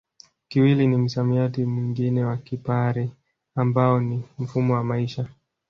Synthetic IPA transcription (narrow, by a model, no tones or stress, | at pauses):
kiwilinim̩samiatimwiŋɡinɛwakipaɾi | ambaɔnim̩fumɔwamaiʃa